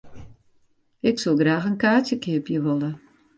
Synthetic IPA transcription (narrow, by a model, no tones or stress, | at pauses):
ɪksolˠɡraːxənkaːtjəkʰɪəpjəʋolˠə